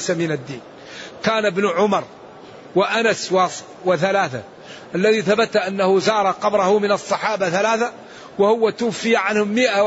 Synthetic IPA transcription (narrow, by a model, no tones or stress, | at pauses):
samɪnad̪ːiːn | kaːnabnʊʕʊmɑɾˤ | wɪʔanasw | wɪθalaːθa̰ | ʔalːaðiθabat̪ʔanːahʊzɑːɾˤɑqɑbɾˤɑhʊmɪnɑsˤːɑħɑːbaθalaːθa | wahʊwːat̪ʊwfːɪjaʕanhʊmːɪʔa